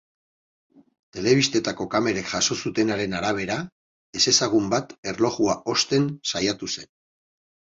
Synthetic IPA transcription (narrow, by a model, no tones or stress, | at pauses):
t̪e̞le̞β̞ist̪e̞t̪ako̞kame̞ɾe̞kʝaso̞sut̪e̞naɾe̞naɾaβ̞e̞ɾa | e̞se̞saɣ̞umbat̪e̞rlo̞ɣuao̞st̪e̞nsajat̪use̞n